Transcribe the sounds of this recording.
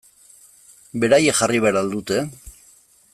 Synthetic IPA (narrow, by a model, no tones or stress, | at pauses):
be̞ɾajexariβ̞eaɾald̪ut̪e̞